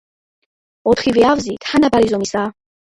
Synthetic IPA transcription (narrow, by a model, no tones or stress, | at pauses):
ɔt̪ʰχivɛavzit̪hanabaɾizɔmisaː